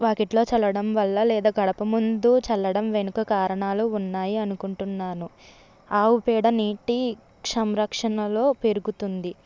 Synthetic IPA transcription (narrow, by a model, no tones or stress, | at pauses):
ʋaːkeʈlo̞ːt͡ʃɐlɐɽɐmʋɐlːɐlɛːd̪aːɡɐɽɐpɐmund̪ut͡ʃɐlːɐɽɐmʋe̞nukɐkaːɾɐɳaːluːnːaːjiɐnukuɳʈunːaːnu | aːupɛːɽɐniːʈi | kʂɐmɾɐkʂɐnɐlo̞ːpe̞ɾuɡut̪und̪i